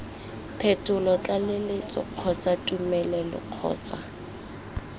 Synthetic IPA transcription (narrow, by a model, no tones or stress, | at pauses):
pʰɛtʼʊlɔt͡ɬʼalɪlɪt͡sʼɔ̰q͡χʰɔt͡sʼatʼumɛlɛlɔ̰q͡χʰɔ̰ːt͡sʼa